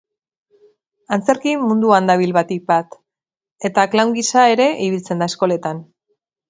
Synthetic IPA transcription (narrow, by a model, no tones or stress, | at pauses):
ant͡se̞ɾkimːund̪uand̪aβ̞ilβat̪ik̚bat̪ | e̞t̪aklawŋɡisae̞ɾe̞ʔiβilt͡se̞nd̪aesko̞le̞t̪an